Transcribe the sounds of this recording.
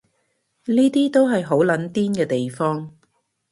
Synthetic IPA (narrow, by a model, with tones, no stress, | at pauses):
niː˥t̪iː˥t̪o˥wɦɐ˨jɦo˨˥wlɐ˨˥nt̪iː˥nkɛː˧t̪e˨jfɔː˥ŋ